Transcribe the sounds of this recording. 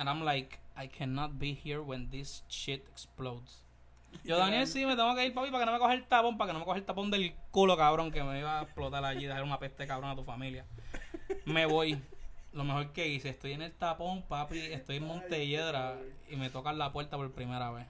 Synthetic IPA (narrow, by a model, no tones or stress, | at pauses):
aɾãmlajkajkʰɛnːɔt̪̚bihiɾwẽnd̪ist͡ʃit̪eksplowd̪s | d͡ʒo̞ðanjelsime̞t̪eŋɡokeilpapipake̞no̞me̞koheelt̪apo̞mpake̞no̞mekohelt̪apo̞nd̪e̞lkulo̞kaβɾo̞ŋkemeiβaeplo̞t̪alaʝiðeaseɾunapest̪ekaβɾoŋat̪ufamilja | me̞βo̞jlo̞me̞ho̞ɾkeiseest̪o̞jeŋelt̪apo̞mpapiest̪o̞jeŋmõ̞nt̪e̞ʝeðɾaime̞t̪o̞kallapweɾt̪apo̞ɾpɾimeɾaβes